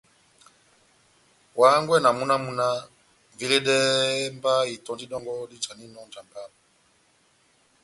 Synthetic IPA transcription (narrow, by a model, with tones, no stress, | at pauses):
wa˨˦ŋɡwɛ˦na˨mu˦na˦mu˦na˦ | vi˦le˦dɛ˦mba˦i˨tɔ˨nd͡ʒi˦ɗɔ˦ŋɡɔ˦di˦t͡ʃa˨ni˦nɔ˦nd͡ʒa˨mba˦˨ba˨